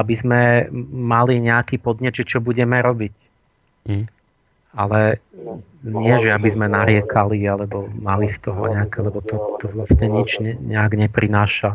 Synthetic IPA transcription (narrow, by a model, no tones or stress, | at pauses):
abizmɛmaliɲɛakiːpɔd̪ɲɛd̪ʒɛt͡ʃɔbuɟɛmɛɾɔbic | alɛ | ɲɪɛʒɛabizmɛnaɾɪɛkʰalialɛbɔmalist̪ɔɦɔ̰ɲɛakɛlɛbɔt̪ɔt̪ɔʋlasɲɛɲit͡ʃɲɛɲɛaɡɲɛpɾinaːʃa